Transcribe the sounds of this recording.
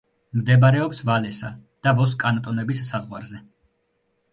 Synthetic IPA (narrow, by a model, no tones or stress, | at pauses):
md̪ɛbaɾɛɔpsvalɛsad̪̥avɔs̬kʼanat̪ʼɔnɛbisːazʁwa̰ɾzɛ